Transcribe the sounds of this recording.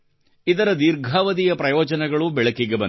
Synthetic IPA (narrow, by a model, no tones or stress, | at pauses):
id̪ɐɾɐd̪iɾɡʱaːʋɐd̪ijɐpɾɐjɔːd͡ʒɐnɛɡɐɭubɛɭɐkiɡebɐn